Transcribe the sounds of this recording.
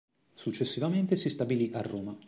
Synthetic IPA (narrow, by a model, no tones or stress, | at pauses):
sut͡ʃːesːivament̪esist̪abiliʔarːoːma